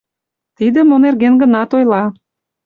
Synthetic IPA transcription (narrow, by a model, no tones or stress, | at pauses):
t̪id̪ə̆monerɣenɡə̆nɑt̪ojlɑ